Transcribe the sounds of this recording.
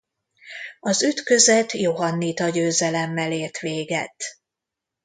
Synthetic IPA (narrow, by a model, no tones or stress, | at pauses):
ɒzyt̪kø̞zɛt̪joɦɒnːit̪ɒɟøːzɛlɛmːɛleːrt̪ʋeːɡɛ̰t̪